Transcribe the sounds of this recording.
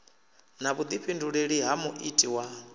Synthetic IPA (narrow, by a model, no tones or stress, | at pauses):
naβud̪ipʰinduɺeɺiɦamuʔitʼiwa